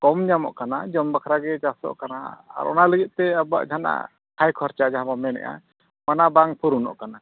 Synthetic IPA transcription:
kɔmɲamɔ̰ʔkanad͡ʒɔmbakʰɾaɡɛd͡ʒasɔ̰ʔkanaa̰ɾɔ̰naləɡit̪̚t̪ɛaba̰ʔd͡ʒʱana̰ʔ | kʰajkʰɔɾt͡ʃad͡ʒaɦãbamɛnɛ̰ʔa̰ | manabaŋpʰuɾunɔ̰ʔkana

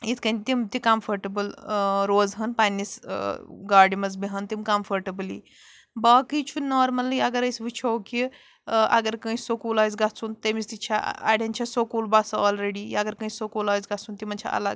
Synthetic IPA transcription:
it̪ʰkɐ̃nʲt̪imt̪ikɐmfʰɐɾʈɐbəlɾoːzɦɐnpanːis | ɡaːɾɖimɐzbiɦɐnt̪imkɐmfʰɐɾʈɐblḭ | bakit͡ʃʰunɔːɾmɐliɐɡɐɾɐjsʋit͡ʃʰowki | ʔɐ̰ɡɐɾkə̃ĩsokulaːjzɡɐt͡sunt̪emist̪it͡ʃʰa̰a̰ːɽʲent͡ʃʰɐsokuːlbasɐɔːlɾeɽiɐɡɐɾkə̃isokulaːjzɡɐt͡sunt̪imɐnt͡ʃʰa̰ʔɐ̰lɐɡ

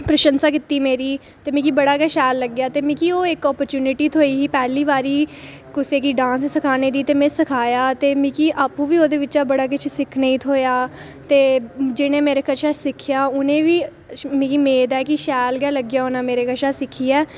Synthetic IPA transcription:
pɾəʃənsaːkɪt̪ːiːmeːɾiː | t̪eːmĩːkiːbəɽaːɡɛːʃɛːlːəɡjaːt̪eːmĩːkiːoːɪkɔːpəɾt͡ʃuːnɪʈiːt̪ʰoːiːɦiːpɛːliːʋaːɾiː | kʊseːkiːɖãːnssəkʰaːneːd̪iːt̪eːmɛ̃ːsəkʰaːjaːt̪eːmĩːkiːʔaːpũːʋiːoːd̪eːʋɪt͡ʃaːbəɽaːk̬ɪt͡ʃʰsɪkʰnəĩːt̪ʰoːjaː | t̪eːd͡ʒɪñẽːmeːɾeːkəʃʰaːsɪkʰːjaːʊnẽːʋiː | mĩːkiːmeːd̪ɛːkiʃɛːlɡɛːləɡjaːʊnãːmeːɾeːkəʃaːsɪkʰiːɛː

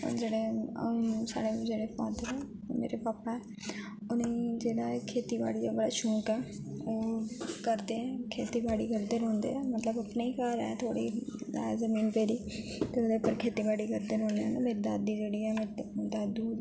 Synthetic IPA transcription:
d͡ʒeːɽẽ | sa̰ːɽed͡ʒeːɽefaːd̪əɾɛ̃ː | mḛːɾepaːpaɦɛː | ʊneːd͡ʒeːd̪akʰeːt̪iːba̰ːɽid͡ʒebəɽaːʃũːkɛː | oːkəɾd̪eɦɛ̃ːkʰeːt̪ibaːɽikəɾd̪eɾõːnd̪ḛɛ̃ːmət̪ləbəpneikaɾɛ̰t̪ʰoːɽḭːzəmiːnpeːɾiː | t̪eʊd̪epəɾkʰeːt̪ibaːɽikəɾd̪eɾɔ̃ːnd̪eɛnameːɾd̪aːd̪iːd͡ʒeːɽiːɛːmeɾd̪aːd̪uː

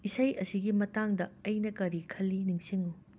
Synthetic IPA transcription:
isɐjʔɐsiɡimɐtaŋdɐɐjnɐkɐɾikʰɐlːiniŋsiŋu

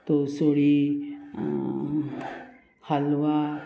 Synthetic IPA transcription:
t̪osoɽi | halwa

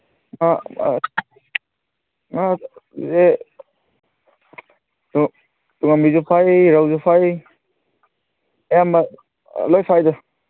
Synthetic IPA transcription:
ŋa̰ | ŋaze | tuŋamizupʰajɾawzupʰaj | jama | lɔjpʰajdɔ

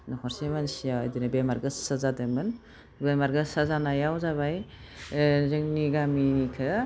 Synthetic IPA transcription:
nɔhɔɾsemansija̰jdɯnɯbemaɾɡɯsazadɯmɯn | bemaɾɡɯsazanajawzaβaj | zɯŋniɡaminikʰɯ

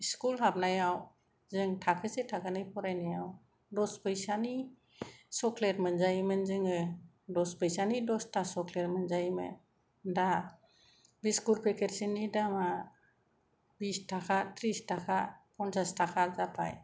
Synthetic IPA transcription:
iskulɦap̚najaw | zɯŋtʰakʰɯsetʰakʰanɯjpʰɔɾajnajaw | dɔspʰɯjsani | sɔkʰleɾmɯnzajmɯnzɯŋɯ | dɔspʰɯjsanidɔstʰasɔkʰleɾmɯnzajmɯ̰n | da | biskulpʰekʰeɾsinidama | bistakʰat̪ʰɾistakʰapʰɔnsastakʰazapʰa̰j

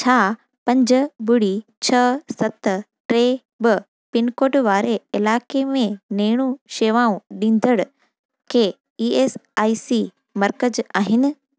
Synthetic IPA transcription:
t͡ɕʰaː | pɐ̃ɲd͡ʑəɓʊɽ̤it͡ɕʰɐsɐt̪ | ʈɾeː | bə | pɪnkoːʈʋaːɾeɪlaːkemẽneːɽ̃ũʃeːʋãːũɗĩːnd̪əɽʊ | kʰeː | iːeːsaːiːsi | mɐɾkəd͡ʑaːɦɪnɪ̆

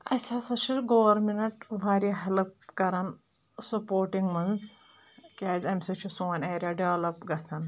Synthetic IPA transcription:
ɐ̰sʲasɐʃʰiɡoʋɐɾminɐʈʋaːɾiɦɐlp̚kɐɾan | sɐpoːɾʈiŋɡmɐnz | kʲaːzʲɐmʲsɐt͡ʃʰusoːneːɾʲjaɖeʋlɐpɡɐsan

